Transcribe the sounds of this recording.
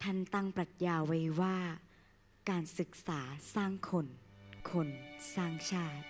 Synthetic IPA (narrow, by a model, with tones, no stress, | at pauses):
t̪ʰa˥˩nt̪a˥˩ŋpɾa˨˩t̪̚jaː˧wa˦˥jwaː˥˩ | kaː˧nsɯ˨˩k̚saː˩˦saː˥˩ŋkʰo˧nkʰo˧nsaː˥˩ŋt͡ɕʰaː˥˩t̪̚